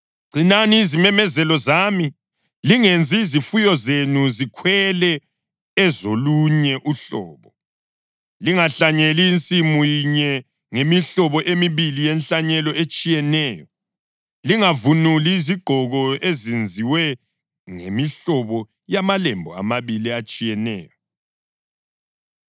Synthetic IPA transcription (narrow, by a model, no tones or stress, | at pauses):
ɡ͡ǀʱinaniːzimɛmɛzɛlɔzami | liŋend͡zʱiizifujɔzenuzikʰwɛlɛ | ɛzoluɲɛʔuɬɔ̰ːβɔ | liŋaɬaɲeliːnt͡sʼimujiɲɛ | ŋemiɬɔβɔʔemiβilijenɬaɲɛlɔet͡ʃʼijɛnɛːjɔ | liŋavunuliːziɡ͡ǃʱɔɣɔezind͡zʱiwɛ | ŋḛmiɬɔβɔ | jamalɛmbʱɔ̰a̰maβiliat͡ʃʼijɛnɛːjɔ